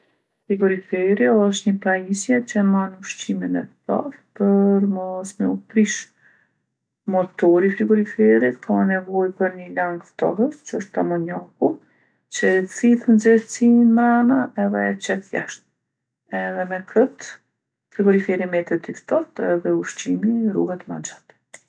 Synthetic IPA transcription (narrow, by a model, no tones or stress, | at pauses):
fɾiɡɔɾifɛɾiɔʃ̬t̪ɲəpɾaɲisjɛt͡ɕəmanuʃt͡ɕiminɛft̪ɔ̰ɾpəɾmɔsməupɾiʃ | mɔt̪ɔɾifɾiɡɔɾifɛɾikʰanɛvɔjpəɾɲəlaŋɡft̪ɔ̰həst͡ʃəɔʃt̪amɔɲaku | t͡ʃət͡siðnzɛɾt͡simɾanaɛðɛt͡ʃɛt̪ja̰ʃt̪̚ | ɛðɛmɛkʰət̪ | fɾiɡɔɾifɛɾimɛt̪ɛt̪ift̪ɔt̪ɛðɛuʃt͡ɕimirṵɡat̪ma̰nd͡ʒat̪ɛ̥